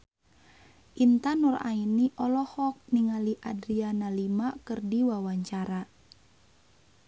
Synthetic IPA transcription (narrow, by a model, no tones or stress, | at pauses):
ʔint̪anura̰iniʔɔlɔhɔk̚niŋaliʔadɾianalimakɨrdiwawaɲt͡ʃaɾa